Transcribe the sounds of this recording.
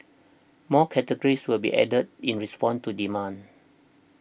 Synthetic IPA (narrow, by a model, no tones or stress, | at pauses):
mɔkʰɛtəɡəɹiswəlbḭʔɛ̰dət̚ĩnɹispɔ̃ntudimãn